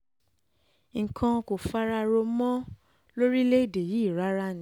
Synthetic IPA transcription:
ŋ̩˨kʰã˧ko˨fa˧ɾa˧ɾo˧mɔ̃˦ | lo˦ɾi˦le˦i˦˨de˨ji˨˦˨ɾa˨˦ɾa˦ñ˨˦

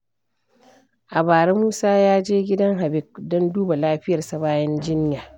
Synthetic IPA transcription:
ʔa˨baː˨ɾɛ˦muː˦saː˦jaː˦d͡ʒeː˦ɡʲɪ˦dɐ˦ŋɦa˨bɪ˦˨k̚dɔ˦nduː˦ba˨laː˦ɸɪ˦jɐ˨rsɐ˦baː˦jɛ˦nd͡ʒɪ˦njaː˨

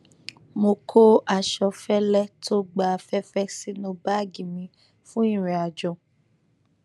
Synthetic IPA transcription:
mo˧kʰo˦ʔa˨ʃɔ˧fɛ˦lɛ˦tʰo˦ɡ͡ba˨fɛ˦fɛ˦si˦nõ˧˦ba˦˨ɡĩ˨mĩ˧˦ | fũ˦ĩ˦˨ɾĩ˨a˨d͡ʒɔ˨

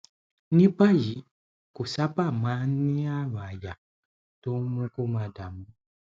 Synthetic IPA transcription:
ni˦ba˦ji˨˦ | ku˨sa˦pa˦˨ma˨˦ni˦a˦βa˨ja˨ | to˦m˦u˦ku˦ma˨da˨mu˨

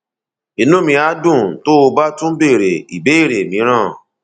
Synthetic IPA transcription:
i˨˧˨nũ˦mĩ˧a˨˦dũ˦˨to˦o˧ba˦tũ˦be˦˨ɾe˨i˨be˨˦i˦˨ɾe˨mĩ˨˦ɾ̃ã˦˨

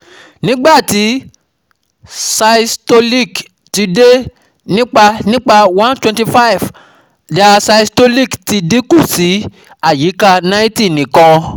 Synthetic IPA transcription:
nĩ˨˦ɡ͡ba˦˨ti˨˦ | sa˧i˧sto˧li˦˨k | ti˧de˦ | nĩ˦k͡pa˧nĩ˦k͡pa˧wã˦ntwɛ̃˧nti˧fa˦i˨v | d͡ʒa˧sa˧i˧sto˧li˦˨kti˧de˦ku˦˨si˨˦ | a˦˨ji˨˦ka˦˧nã˦ĩ˦ti˦˨nĩ˨kɔ̃˧

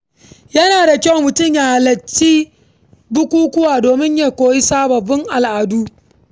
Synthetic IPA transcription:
jɐ˦naː˨da˨kʲa˦wmʊ˨tʊ˦˨mja˨ha˨lɐ˨t͡ʃːiː˦ | bʊ˦kʷuː˦kʷʊ˦waː˨doː˨mɪ˦ɲjaː˦kʷoː˨ji˦saː˦bɐ˨bɪ˦ŋʔa˨lʔaː˨du˦

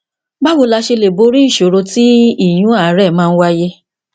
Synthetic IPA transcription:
ba˦wo˧˦la˧ʃe˧le˨bo˨˦ɾi˦i˦˨ʃo˨ɾo˧ti˦i˦˨j̃ũ˨˦a˦˨˦ɾɛ˦˨mãː˦˧n̩˦wa˦je˦

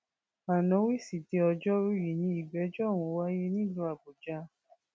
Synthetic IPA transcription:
a˨nɔ̃˨˦wi˦˨si˨di˨˧˦ɔ˧d͡ʒɔ˦ɾu˦ji˨nĩ˦i˦˨ɡ͡bɛ˨˦d͡ʒɔ˦˨w̃ũ˧˦wa˦je˦nĩ˦˨lu˧˦a˨bo˨d͡ʒa˧˦

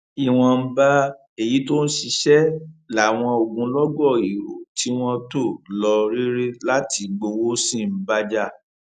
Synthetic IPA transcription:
i˨w̃ɔ̃˧m̩˦ba˦ | e˨ji˨˦to˦ñ̩˦ʃi˧ʃɛ˦la˨˦˨w̃ɔ̃˧o˨ɡũ˧lɔ˦ɡɔ˦˨i˨ɾo̰˨ti˨˦w̃ɔ̃˦to˦˨lɔ˧ɾi˦ɾe˦la˦ti˨˧ɡ͡bo˧wo˦sĩ˦˨˦ba˦d͡ʒa˦˨

